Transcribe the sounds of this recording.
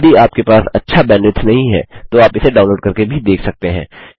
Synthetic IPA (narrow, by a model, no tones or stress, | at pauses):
d̪iaːp̚kepaːsɐ̰tːʃʰabɛ̃ːɳɖɪt̪nɐɦĩɦɛ̰ːt̪oaːpɪseɖaːʊ̃nloːɖkɐɾkebʱid̪eːkʰsɐk̚t̪eɦɛ̰̃ː